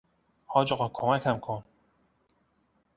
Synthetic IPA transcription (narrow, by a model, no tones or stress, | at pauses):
hɒːd͡ʒɒɣɒːkʰomækʰhæmkʰon